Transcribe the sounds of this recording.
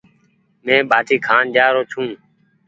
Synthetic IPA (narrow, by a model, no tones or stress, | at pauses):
mẽːɓʱaːʈʰiːkʰaːnd͡ʒaːɾoːt͡ʃʰũː